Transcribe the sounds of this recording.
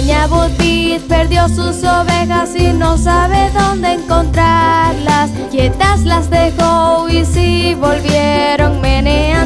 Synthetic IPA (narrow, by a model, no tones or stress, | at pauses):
ɲaβut̪it̪̚pe̞ɾðjo̞susoβe̞xasino̞saβe̞ðo̞nd̪e̞ːŋko̞nt̪ɾaɾlas | ket̪aslazðe̞xoisiβo̞lβje̞ɾo̞ŋmenea